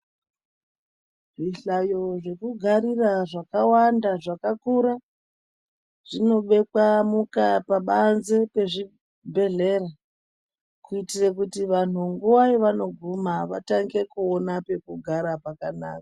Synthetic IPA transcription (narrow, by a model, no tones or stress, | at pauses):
ʐiɬajo̞ʐe̞kuɡʱaɾiraʐakawandaʐakakuɾa | ʐ̥ino̞ɓe̞kwamukapaɓanzepe̞ʐi | bʱe̞ɮe̞ra | kuitirekutiʋan̤uŋɡuwaiʋano̞ɡʱumaʋataŋɡe̞kuonape̞kuɡʱaɾapakana̰ːkḁ